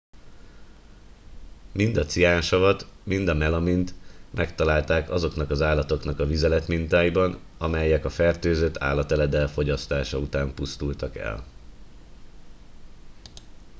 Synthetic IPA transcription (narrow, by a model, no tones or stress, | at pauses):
mind̪ɒt̪sijaːnʃɒvɒt̪mind̪ɒmɛlɒmint̪mʔɛkt̪ɒlaːlt̪aːkɒzo̞knɒkɒzaːlːɒt̪o̞knɒkɒvizɛlɛt̪mint̪aːjibɒn | ɒmɛjɛkɒfɛrt̪øːzøt̪ʰa̰ːlːɒt̪ɛlɛd̪ɛlfo̞ɟɒst̪aːʃɒut̪aːmpust̪ult̪ɒkɛ̰l